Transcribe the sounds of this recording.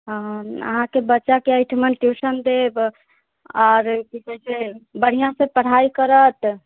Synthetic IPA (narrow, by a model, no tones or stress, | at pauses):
ə̰ɦãkebətːʃakeəjʈʰmənʈjusənd̪eb | ɔɾkikɛsebəɽ̤ijãsẽpəɽ̤aikəɾət̪